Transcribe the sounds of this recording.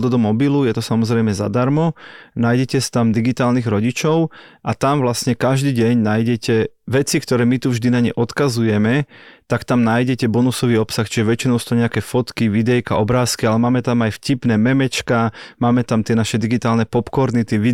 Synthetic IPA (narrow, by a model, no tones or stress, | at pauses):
d̪ɔd̪ɔmɔbilujɛt̪ɔsamɔzɾɛjmɛza̰d̪aɾmɔnaːjɟɛcɛst̪amd̪iɡit̪aːlniɣɾɔɟit͡ʃɔʊʔat̪amvlastɲɛkaʒd̪iːɟɛɲnaːjɟɛcɛʋɛt͡sikt̪ɔɾɛːmit̪uvʒd̪inaɲɛ̰ʔɔt̪kazujɛmɛt̪akt̪amnaːjɟɛcɛbɔnusɔʋiːɔpsaxt͡ʃiʒɛʋɛt͡ʃinɔʊsu̥t̪uɲɛakɛːfɔt̪kiʋid̪ɛjkaʔɔbɾaːskialɛmaːmɛt̪amajfcipnɛːmɛmɛt͡ʃkamaːmɛt̪amt̪ɪɛnaʃɛd̪iɡit̪aːlnɛpɔpkɔɾnit̪ɛʋi